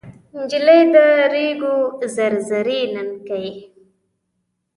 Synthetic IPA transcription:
nd͡ʒilajd̪əɾeɡozaɾzaɾinankaj

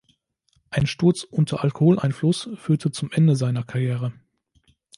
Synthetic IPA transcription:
ʔaɪnʃtʊɐt͡sʔʊntʰɐʔalkohoːlʔaɪnflʊsfyːɐtʰət͡sʊmʔɛndəzaɪnɐkʰaʁjɛːʁ̞ə

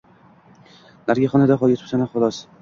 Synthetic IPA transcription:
naɾɡʲaχɒnad̪aχɒlˠɡʲɪt̪ʰʊ̥psanaχʊlˠɒs

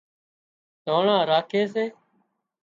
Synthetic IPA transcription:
t̪oːɳãːɾaːkʰeːs̬eː

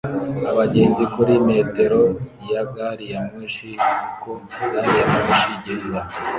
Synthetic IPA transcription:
aβaɟe̞ːnzikuɾime̞ːte̞ɾo̞ | jaɡaɾijamŋiːnʃikomuɡaɾijaminʃiɟezwa

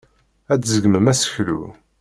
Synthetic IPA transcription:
æt͡sːzəɡməmæsə̥çlṵ

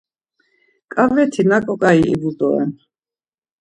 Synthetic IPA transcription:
kʼavɛt̪ʰinakʼɔkʼaiʔḭbud̪ɔɛ̰n

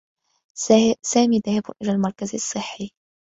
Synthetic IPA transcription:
saːmiːd̪aːhɪbʊ̰ʔɪlalmɑɾˤkazɑsˤːɨħːi

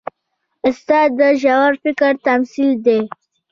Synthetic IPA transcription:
ʊst̪ɑːd̪əʒawaɾfɪkəɾt̪amsild̪e

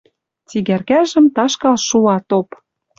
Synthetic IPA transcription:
t͡siɣærkæʒə̆mt̪ɑʃkɑlʃulɑt̪op

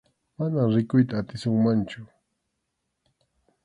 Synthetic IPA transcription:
manamɾɪkʊjt̪aːt̪ɪsʊŋmant͡ʃʊ

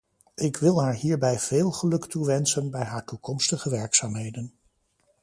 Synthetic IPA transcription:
ʔɪkʋɪlˠɦaːɹɦiːɹbɛjv̥eːlˠχəlɵktuʋɛnsənbɛjɦaːɹtukɔmstəχəʋɛɹksaːmɦejdən

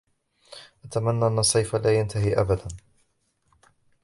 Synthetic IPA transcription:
ʔat̪amanːaːʔanːɑsˤːɑjfalaːjant̪aɦiʔa̰bad̪an

